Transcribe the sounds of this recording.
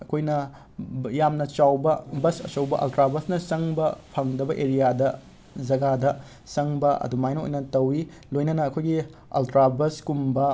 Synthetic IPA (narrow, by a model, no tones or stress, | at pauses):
ɐkʰojnɐ | jamnɐt͡ʃawbɐbɐsɐ̰sɐwbɐʔɐ̰ltɾabɐsnɐt͡ʃɐŋbɐpʰɐŋdɐbɐʔeɾijadɐ | d͡ʒɐɡadɐ | sɐŋbɐɐ̰dumajnɐo̰jnɐtɐwi | lojnɐnɐːkʰojɡiɐ̰ltɾabɐskumbɐ